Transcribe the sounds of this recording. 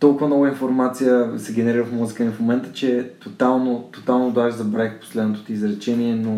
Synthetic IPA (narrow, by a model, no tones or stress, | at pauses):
t̪ɔlˠkʊvənɔɡəinfoɾmat̪sijəsɛɡʲɛnɛɾiɾəfmuzikənɛfmomɛnt̪ə̥t͡ʃɛt̪ot̪alˠnot̪ot̪alˠnod̪aʒizɐbɾakpo̥slɛd̪not̪o̥t̪izɾɛt͡ʃɛniɛno